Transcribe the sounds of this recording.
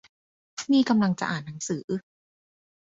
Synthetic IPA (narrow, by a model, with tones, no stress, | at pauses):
niː˥˩ka˧mla˧ŋt͡ɕa̰˨ʔaː˨˩nːa˩˦ŋsɯː˩˦ʔɯ˧˩